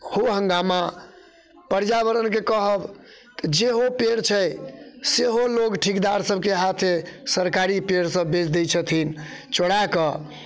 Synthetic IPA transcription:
hoɦə̃ŋɡama | pəɾd͡ʒabəɾənkekəɦəb | t̪əd͡ʒeɦopeɽt͡ʃʰəjseɦolokʈʰikd̪aɾsəbʱkeɦat̪ʰesəɾkaɾipeɽsəbːet͡ʃd̪ɛt͡ʃʰət̪ʰint͡ʃoɽakə

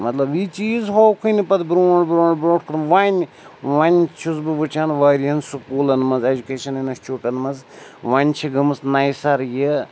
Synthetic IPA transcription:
mɐt̪lɐbit͡ʃiːzɦoːkʰunipɐd̪bɾoːɖbɾõːɳɖbɾoːʈkʰɐɾʋanʲ | ʋɐnʲt͡ʃʰusbɨʋɨt͡ʃʰaːnʋaːɾiɐnsukuːlɐnmɐnzed͡ʒukeːʃɐninɐst͡ʃʰuːʈɐnmɐzʋɐnʲt͡ʃʰiɡɐmɨsnɐjsɐɾji

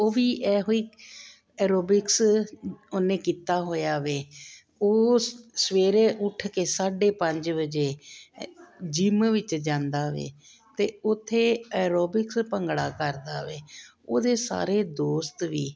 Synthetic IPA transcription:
oːʋiːʔɛːɦoːiː | ɛːɾoːbɪks | onẽːkiːt̪aːɦoːjaːʋeː | oːsəʋeːɾeːʔʊʈʰkeːsaːɖeːpəɲd͡ʒbəd͡ʒeː | d͡ʒɪmʋɪt͡ʃd͡ʒãːnd̪aːʋḛː | t̪eːʊt̪ʰːeːɛːɾoːbɪkspəŋɡɽa̰ːkəɾd̪aːʋeː | oːd̪eːsa̰ːɾeːd̪oːst̪ʋiː

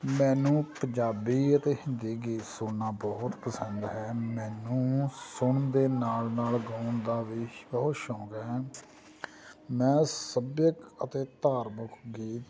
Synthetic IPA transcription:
mɛ̃ːnũːpə̃ɲd͡ʒaːbiːət̪eːhɪnd̪iːɡiːsʊnaːbɔːt̪pəsə̃nd̪ɦɛːmɛ̃ːnũːsʊɳd̪eːnaːlnaːlɡaːɳd̪aːʋiːbɔːt̪ʃɔ̃ːɡɛː | mɛ̃ːsəbjəkət̪eːt̪aːɾmʊkʰɡiːt̪

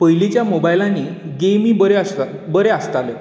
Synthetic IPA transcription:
pəjlit͡ɕjamobajlãniɡemibəɾeasa | bəɾeast̪ale

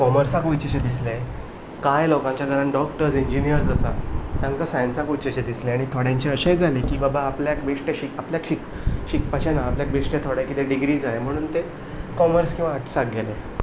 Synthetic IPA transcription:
kɔməɾsãkʋut͡ɕeɕed̪isle | kajlɔkãɲt͡ɕjaɡʱəɾãnɖɔkʈəɾsiɲd͡ʑinijəɾd͡zəsast̪ãŋkasajənsãkʋut͡ɕeɕed̪isleaɽ̃it̪ʰoɽjãɲt͡ɕeəɕed͡zalekiːbabaːpljakbeʂʈeɕikapljakɕik | ɕik̚pat͡ɕanaːpljak̚beʂʈet̪ʰoɽjakit̪eɖiɡɾiːd͡zaem̤əɽ̃uːnt̪e | kɔməɾskĩw̃ʋaːʈʰsaɡʱele

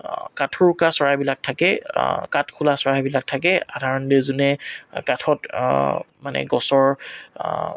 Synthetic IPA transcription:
katʰʊɹkasɔɹajbilak̚tʰakɛkatkʰulasɔɹajbilak̚tʰak̬ɛadʱaɹɔndezunɛkatʰɔt | manɛ̰ɡɔsɔɹ

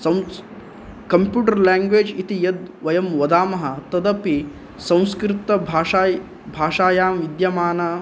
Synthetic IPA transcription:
sɐw | kɐmpjuːʈɐɾlaːŋɡʋeːd͡ʒit̪ijɐd̪ʋɐjɐmʋɐd̪aːmɐɦɐt̪ɐd̪ɐpi | sɐ̃w̃skɾɪt̪ːɐbʱaːaːj | bʱaːʃaːjaːmʋid̪jɐmaːnɐ

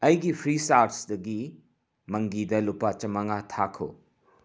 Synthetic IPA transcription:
ɐjɡipʰɾisaɾtsdɐɡi | mɐŋɡidɐlupat͡ʃɐmɐŋatʰakʰo̰

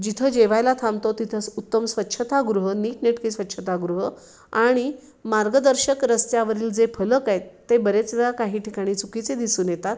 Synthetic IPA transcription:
d͡ʑit̪ʰəd͡ʑeʋajlat̪ʰamt̪ot̪it̪ʰəsut̪ːəmsʋət̪ːɕʰət̪aɡɾuɦəniːk̚neʈkiːsʋət̪ːɕʰət̪aɡɾuɦə | aɽ̃i | maɾɡəd̪əɾɕəkɾəst̪jaʋəɾiːld͡zepʰələkaet̪ːebəɾet͡sakaɦiːʈʰikaɽ̃iːt͡sukit͡sed̪isuːnjet̪at̪̚

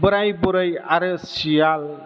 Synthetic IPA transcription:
bəɾajbuɾəjaɾɯsijal

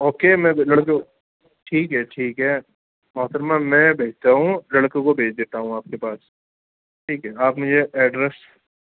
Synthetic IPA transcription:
oːkeːmɛ̃lɐɽkõ | ʈʰiːkɦɛʈʰiːkɦɛː | maːt̪əɾmãmɛ̃bʱeːt͡ʃt̪aɦũlɐɽkõkobʱeːt͡ʃd̪eːt̪aɦũaːp̚kepaːs | ʈʰiːkɦɛaːpmʊd͡ʒʱeʔɛːɖɾɛs

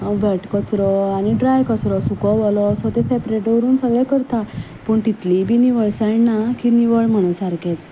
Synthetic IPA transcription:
ʋəʈkət͡sɾɔañiɖɾajkət͡sɾɔsukɔʋɔlɔːsɔt̪esɛpɾeʈʋəɾuːnsəɡɭɛkəɾt̪a | pəːɳt̪it̪libʱiːniʋəɭsaɭnakiniʋəɭm̤əɽ̃ə̃saɾket͡s

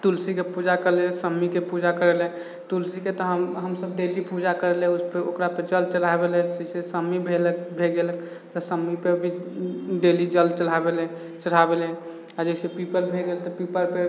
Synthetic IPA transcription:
t̪ulsikepud͡ʒakəɾlɛsəmːikepud͡ʒakəɾɛlɛ | t̪ulsiket̪ɔɦəɦəmsəb̚ɖelipud͡ʒakəɾɛlɦɛuspeokɾapəd͡ʒəlt͡ʃəl̤abelɛd͡ʒəɪsesəmːibʱelək̚bʱeɡelək | t̪ɔsəmːipebʱiɖelid͡ʒəlt͡ʃəl̤abelɛ̃ | t͡ʃəɽ̤abelɛ | ad͡ʒəɪsepipəɾbʱeɡelt̪ɔpipəɾpe

